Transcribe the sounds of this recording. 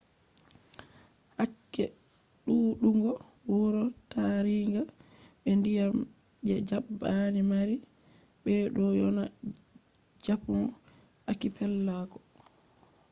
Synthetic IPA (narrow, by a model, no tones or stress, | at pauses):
hakːɛ̰ | ɗuːɗuŋɡɔ | wuɾɔtaɾiŋɡa | ɓɛndijam | d͡ʒɛd͡ʒabːanimaɾi | ɓɛɗɔjɔna | d͡ʒapum | akipɛlːakɔ̥